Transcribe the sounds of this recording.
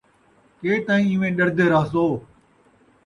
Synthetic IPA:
keːt̪ãːĩːɪ̃ːʋẽːɗəɾd̪eːɾaːsoː

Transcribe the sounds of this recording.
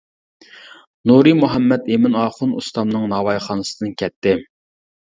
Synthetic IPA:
nuɾɨmuɦɛmːɛt̪emɪnɑːχʊnṵst̪ɑmnɨŋnɑːwɑjχɑːnɨsəd̪ɨnkʲʰɛt̪ʰːɪ

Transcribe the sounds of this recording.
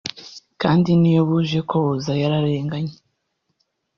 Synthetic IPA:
kaːndinijoβuʒe̞koβozajaɾaɾe̞ːŋɡaɲe̥

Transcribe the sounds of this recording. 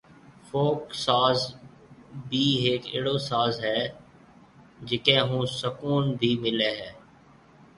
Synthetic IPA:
foːksaːz | bʱiːeːkḛːɽoːsaːzɦɛː | d͡ʒɪkẽːɦũːsəkuːnbʱiːmɪleːɦɛː

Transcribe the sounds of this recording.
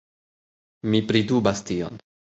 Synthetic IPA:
mipɾidubastio̰n

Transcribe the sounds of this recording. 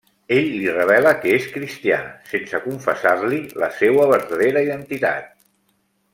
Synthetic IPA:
eʎlirəβ̞ɛləkəeskɾist̪ia̰sensəkuɱfəsarlilə̰sewəβ̞əɾðəðeɾəiðənt̪it̪a̰t̪̚

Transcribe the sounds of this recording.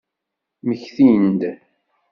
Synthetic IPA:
məçθind̪

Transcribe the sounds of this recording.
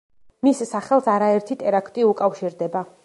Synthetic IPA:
misːaχɛlˠsaɾaɛɾt̪ʰit̪ʼɛɾakʰt̪ʼiukʼafʃiɾd̪ɛba

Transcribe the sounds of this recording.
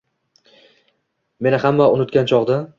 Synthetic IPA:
me̞nɪhamːaʊnɪt̪kʲant͡ʃʰɒʁd̪a

